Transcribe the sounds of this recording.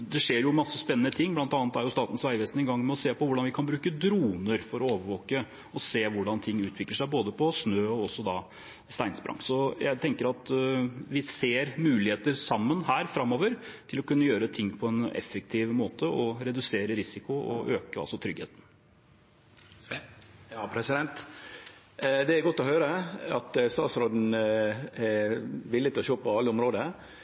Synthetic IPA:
d̪ɛʂeːɾjʊmɑsːəspɛnənət̪ʰɪŋːblɑnt̪ɑːnət̪æɾjʊst̪ɑːt̪ən̩sʋæɪʋɛst̪n̩ɪɡɑŋːmɛɔseːpɔʋʊɖɑnʋɪkʰɑnbɾʉːkəd̪ɾuːnəɾfɔɾɔoːʋəɾʋoːkə | ɔseːʋʊɖɑnt̪ʰɪŋːʉːt̪ʰʋɪkləʂæɪboːd̪əpʰɔsnøːɔɔsːɔd̪ɑ | st̪æɪnsbɾɑ̰ŋsɔjæɪt̪ʰɛŋkəɾɑt̪ʋɪseːɾmʉːlɪheːt̪əɾsɑmːənɦæːɾfɾɑmːoːʋəɾt̪ʰɪlɔkʉnːəjøːɾət̪ʰɪŋːpʰɔɛnɛ̰fːɛk̚t̪ʰiːʋmoːt̪ʰəɔɾɛd̪ʉseːɾəɾɪsɪkʊɔ̰ʔøːkəɑ̰lsɔt̪ʰɾʏɡhḛːt̪n | ɑpʰɾɛsɪd̪ɛnt̪ | d̪ɛæɾɡɔt̪ːɔhøːɾəɑt̪st̪ɑːt̪sɾoːd̪n̩ | ɛʋɪlːɪt̪ɪlɔɕoːpɔɑlːəʊmɾoːd̪ə

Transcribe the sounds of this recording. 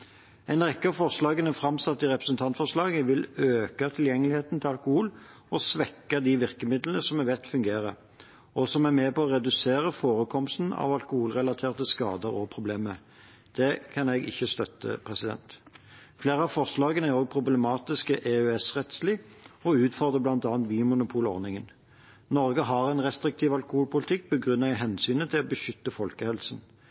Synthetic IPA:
ɛɪnʁɛkːɑfɔʁʂlɑːɡənɛfɾɑmsɑt̪ːɪʁɛpɾəsn̩t̪ʰɑnt̪fɔʁʂlɑːɡəʋɪløːkɑt̪ʰɪljɛŋːəlɪheːt̪n̩t̪ʰɪlɑlkʊhuːl | ɔsʋɛkːɑd̪ɪʋɪʁkəmɪd̪lənəsɔmɛʋɛt̪ːfʉŋɡeːʁə | ɔsɔmæmeːpɔɔʁɛd̪ʉseːʁəfoːɾəkʰɔmst̪n̩ɑ̰ʋɑlkʊhuːlʁɛlɑt̪ʰeːʁt̪əskɑ̰ːd̪əɾɔpʰʁʊbleːmə | d̪̥ɛkʰɑnɛɡɪ̰çːəst̪œt̪ːə̰pʰʁɛsɪd̪ɛ̰nt̪ | fleːʁəɑfɔʁslɑːɡənæʁoːɡ̚pʰʁʊblɛmɑːt̪ɪskəʔeøɛsʁɛt̪slɪɔʉːt̪fɔʁd̪ʁəblɑnt̪ɑːnt̪ʋiːmʊnʊpʰuːlɔ̰ʁnɪŋən | nɔɾɡəɦɑʁɛnʁɛst̪ʁɪk̚t̪ʰiːʋɑlkʊhuːlpʰʊlɪt̪ʰɪk̚ːbɔɡʁʉnːəʁɪɦɛnsyːnət̪ʰɪlɔbəʃʏt̪ːəfɔlkəhɛlsn̩

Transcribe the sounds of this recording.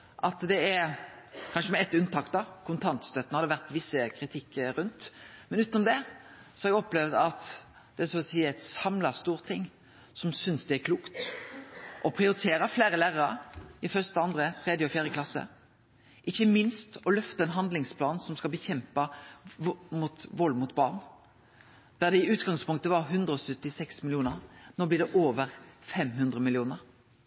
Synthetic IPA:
ʔɑt̪d̪ɛæɾkʰɑnʃəmɛɛt̪ːʉnt̪ʰɑːkd̪ɑkʰʊnt̪ʰɑnt̪st̪œt̪ːnhɑd̪əʋæʁt̪ʋɪsːəkʰɾɪt̪ʰɪkːɾʉnt̪mɛnʉːt̪nɔmd̪ɛsɔɛɾɛɡɔpːlɛʋd̪ɑt̪ | d̪̥ɛsɔsiːæɪt̪sɑmlɑst̪uːɾt̪ʰɪŋː | sɔmsʏnsd̪ɛækʰluːkt̪ | ʔɔpʰʁɪʊɾɪt̪ʰeːɾəfleːɾəlæːʁəɾɑɪfœʁst̪əɑnd̪ɾət̪ʰɾɛd̪jəɔfjæːɾjəklɑsə̰ | ʔɪçːəmɪnst̪ɔlœft̪ɑɛnɦɑnd̪lɪŋspʰlɑːnsɔmskɑlbəçɛmpɑ | mut̪ʋɔlːmʊt̪bɑːʁn | d̪̥æd̪ɛɪʉːt̪ɡɑŋspʰʊŋk̚t̪əʋɑʁɦʉnd̪ɾəɔsœt̪ːɪsɛksmɪlɪuːnəɾnoːblɪd̪ɛʔoːʋəʁfɛmɦʉnd̪ɾəmɪlɪuːnəɾ

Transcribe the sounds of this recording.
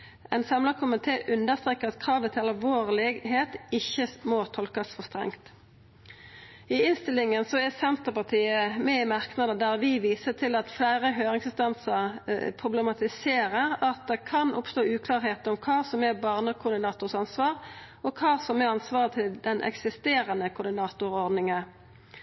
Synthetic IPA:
ɛɪnsɑmlɑkʰʊmɪt̪ʰeːʔʉnd̪əʁst̪ɾʁeːkəʁɑt̪kʰʁɑːʋət̪ʰɪlɑlʋoːʁlɪɡɦeːt̪ɪçːəmɔt̪ʰɔlkɑsfɔʁst̪ʁɛ̰ŋt̪ | ɪɪnst̪ɪlɪŋənsɔɛsɛnt̪əʁpɑʁt̪ʰiːəmɛɪmɑʁknɑd̪əd̪æʁʋɪʋiːsət̪ʰɪlɑt̪flæɪʁəɦøːʁɪŋsɪnst̪ɑnsəʁpʰʁʊblɛmɑt̪ɪseːʁəʁɑt̪̚d̪ɛkʰɑnʔʊpst̪oːʉːkʰlɑːʁheːt̪ʊmkʰɑːsɔmɛbɑːʁnəkʰʊʁd̪ɪnɑːt̪ʊʁsɑnsʋɑːʁ | ɔkʰɑːsɔmɛɑnsʋɑːʁət̪ʰɪld̪ɛnʔɛ̰ksɪst̪eːʁənəkʰʊʁd̪ɪnɑːt̪ʊʁɔʁd̪nɪŋə

